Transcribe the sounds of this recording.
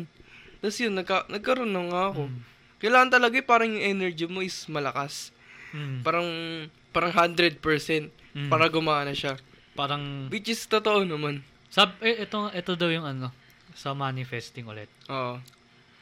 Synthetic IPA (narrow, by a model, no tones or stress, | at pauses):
t̪ɐsjʊnːɐɡ̚kɐnɐɡ̚kɐɾonoŋːaɐko̞ | kɐjlaːŋɐnt̪ɐlɐɡajpaːɾɐŋjʊŋʔɛnɛɹd͡ʒimo̞ʔɪsmɐlɐkas | paːɾɐŋ | paːɾɐŋɦand̪ɾɛd̪̚pɛɹsɛnt̪̚paːɾɐɡʊmaːʔɐnɐʃapaːɾɐŋwɪt͡ʃɪst̪ot̪oʔonɐman | sab̚ɛʔɛt̪oʔɛt̪od̪ɐwjʊŋɐno̞ | sɐmanɪfɛst̪ɪŋʊ̰lɛt̪̚ʔoːʔo